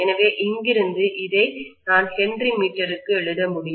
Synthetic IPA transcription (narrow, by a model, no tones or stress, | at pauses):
ɛnɐʋeːʔɪŋɡɪɾɯnd̪ɯʔɪðɐɪnaːnsɛndrimiːʈːɐɾɯkːɯɛɭɯɽɐmʊɽɪj